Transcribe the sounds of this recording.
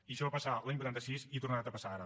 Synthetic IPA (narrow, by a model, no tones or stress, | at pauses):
iəʃɔβapəsalaɲbwut̪ant̪əsisit̪uɾnaat̪əpəsaaɾə